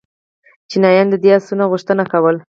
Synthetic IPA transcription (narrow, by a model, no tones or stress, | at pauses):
t͡ʃinɑjɑnd̪əd̪easunaɣʊʂt̪ənakawəl